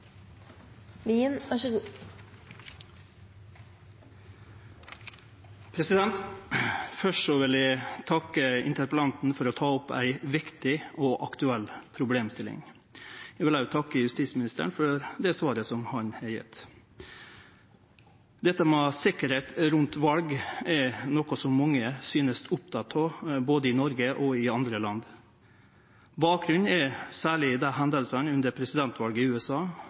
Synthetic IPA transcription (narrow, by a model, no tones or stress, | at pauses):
liːənɑʂəɡuː | pʰɾɛsɪd̪ɛnt̪ | fœʂsɔʋɪlæɪt̪ʰɑkəɪ̰nt̪əɾpəlɑnt̪n̩fɔɾɔt̪ʰɑːɔpæ̰ɪʋɪkt̪ɪʔoːʔɑkt̪ʉɛlpʰɾʊbleːmst̪ɪlɪ̰ŋ | jɛɡʋɪlæt̪ʰɑkːəjʉst̪iːsmɪnɪst̪ə̰ɳfɔɾd̪ɛsʋɑːɾəsɔmhɑnɛɾjɛ̰t̪ː | d̪ɛt̪ːəmɛsɪkəɾheːt̪ɾʉnt̪ʋɑlɡɛɾnɔkʊsɔmːɑŋːəsyːnəst̪ʰʊp̚t̪ʰɑt̪ʰɑboːd̪əɪnɔɾɡəʔɔɪɑnd̪ɾəlɑnd̪ | bɑːk̚ɾʉnɛɾsæːɭɪd̪ɛɦænd̪əlsənʉnd̪əɾpʰɾɛsɪd̪ɛnt̪ʋɑlɡəʉːɛsɑː